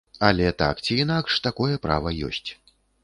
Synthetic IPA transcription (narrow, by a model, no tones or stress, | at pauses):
ɐlʲɛt̪a̰kt͡sʲiinakʂt̪akɔjɛpɾa̰vɐjɔ̰sʲt͡sʲ